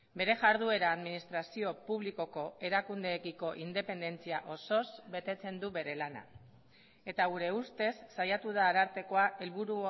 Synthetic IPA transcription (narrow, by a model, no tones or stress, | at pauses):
be̞ɾe̞ʝaɾðue̞ɾaːðminist̪ɾasio̞puβliko̞ko̞e̞ɾakund̪e̞ːkiko̞ʔind̪e̞pe̞nd̪e̞nt͡siaʔo̞so̞zbe̞t̪e̞t͡se̞nd̪uβe̞ɾe̞lana̰ | e̞t̪aɣuɾe̞ust̪e̞sːajat̪uðaːɾaɾt̪e̞ko̞aʔelβuɾu